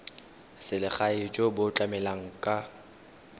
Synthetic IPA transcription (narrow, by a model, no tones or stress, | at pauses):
sɪlɪχaɪd͡ʒʼɔbʊt͡ɬʼamɛlaŋ̩kʼa